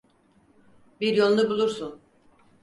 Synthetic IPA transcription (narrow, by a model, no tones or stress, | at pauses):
biɾjonˠnˠubulˠuɾsun